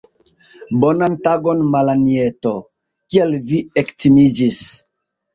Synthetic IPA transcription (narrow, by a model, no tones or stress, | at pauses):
bonantaɡonmalanieto | kielviektimid͡ʒis